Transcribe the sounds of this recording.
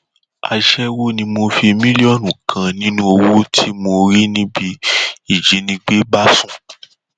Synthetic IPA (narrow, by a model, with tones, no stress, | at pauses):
a̰˧ʃɛ˦wo˦nĩ˧mo˧fi˧mĩ˦li˦ɔ˦˨nũ˨kʰã˧nĩ˦nũ˦o˧wo˦tʰi˦mo˧ɾi˦nĩ˦bi˧i˦˨d͡ʒi˨˦nĩ˧ɡ͡be˦ɡ͡ba˦sũ˦